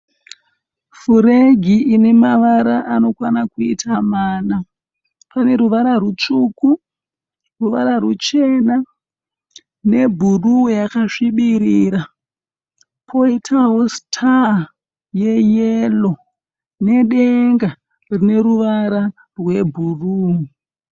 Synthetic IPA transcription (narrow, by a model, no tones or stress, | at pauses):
fuɾeɡʱiʔine̞maʋaɾaʔano̞kwanakuitʰamaːna | pane̞ɾuʋaɾarut͡ʂuku | ruʋaɾarut͡ʃe̞na | ne̞bʱurujakaʂiɓiɾiːɾa | pʰo̞itʰaɦo̞stʰa | je̞jelo̞ | ne̞ɗeŋɡa | rine̞ɾuʋaɾa | rwe̞bʱuruːu